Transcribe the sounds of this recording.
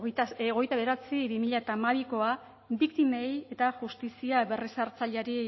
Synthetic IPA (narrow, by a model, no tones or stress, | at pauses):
oɣe̞jt̪aβe̞ɾat͡siβimiʎaet̪amaβiko̞a | bikt̪ime̞je̞t̪aʝust̪isiaβe̞risaɾt͡saʎaɾi